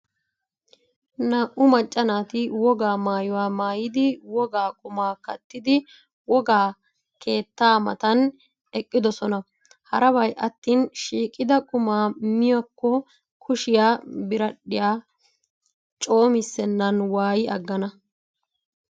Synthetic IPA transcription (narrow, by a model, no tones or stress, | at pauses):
nɐʔʊmɐt͡ʃʼːɐnaːt̪ɪwɔɡaːmaːjʊwaːmaːjɪd̪ɪwɔɡaːkʼʊmaːkɐt̪ːɪd̪ɪ | wɔɡaː | kʰe̞ːt̪ːaːmɐ̰t̪ɐn | ɛkʼːɪd̪ɔsɔnɐ | hɐɾɐbɐjʔɐt̪ːiːnʃiːkʼːɪd̪ɐkʼʊmaːmɪjɐkːɔ | kʰʊʃɪjaːbɪɾɐɗːɪjaː | t͡ʃʼo̞ːmɪsːɛnːɐnwaːjɪʔɐ̰ɡːɐnɐ